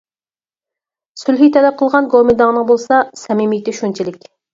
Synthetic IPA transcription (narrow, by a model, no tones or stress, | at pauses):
sylɦit̪ʰɛlɛp̚qʰəlˠʁɑnɡomed̪ɑŋənəŋbolˠsɑsɛmɪmijt̪ɪʃunt͡ʃʰilɪkʲ